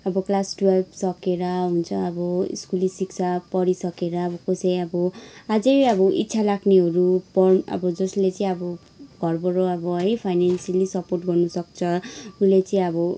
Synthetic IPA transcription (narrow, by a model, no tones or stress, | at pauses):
ʌbʌklasʈualbsʌkeɾʌɦunt͡sʰʌʌbʌḭskulisiksʰapʌɾisʌkeɾaːbʌkosʌjʌbʌad͡zʌjʌbʌʔitːsʰalakʰneɦʌɾupʌrʌ̰bʌd͡zʌslet͡saĩʌbʌ | ɡ̥ʱʌrbʌɾoʌbʌɦʌjpʰajnansjalisʌporʈɡʌrnusʌkt͡sʰʌulet͡saĩʌbʌ